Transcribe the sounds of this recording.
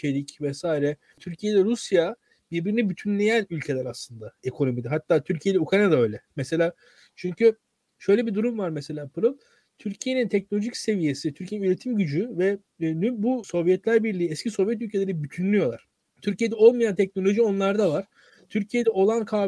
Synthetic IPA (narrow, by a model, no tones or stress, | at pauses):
elʲicvɛsaːiɾɛ | t̪ʰyɾcʰijed̪ɛɾusja | biɾbiɾinibyt̪ʰynlʲe̞jænylʲcʰe̞lʲæɾaslˠɯnd̪aekʰo̞no̞mid̪ɛɦat̪ːaːt̪ʰyɾcʰije̞d̪ɛukɾajnad̪aøjlʲɛmɛse̞lʲaː | t͡ʃʰyɲcʰy | ʃø̞jlʲe̞bid̪uɾumvaɾmɛse̞lʲaːpʰɯɾɯlˠ | t̪ʰyɾcʰije̞nint̪ʰɛc̚no̞lʲo̞ʒicse̞vije̞sit̪ʰyɾcʰijeinyɾe̞t̪ʰimɟyd͡ʒyvɛ | nybuso̞vjɛt̪lʲæɾbiɾlʲiːɛscʰiso̞vjɛt̪̬ylʲcʰe̞lʲeɾibyt̪ʰynlʲyjo̞lˠaɾ̥ | t̪ʰyɾcije̞d̪ɛo̞lˠmajant̪ʰɛcno̞lʲo̞ʒio̞nlˠaɾd̪avaɾ̥ | t̪ʰyɾcʰije̞d̪ɛo̞lˠankʰaː